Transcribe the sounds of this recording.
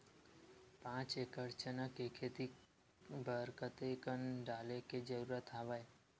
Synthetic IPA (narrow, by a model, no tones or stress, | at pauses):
pãːt͡ʃekəɾt͡ʃənakekʰeːt̪i | bəɾkət̪ekənɖaːleked͡ʒəɾuːɾət̪ɦaʋaj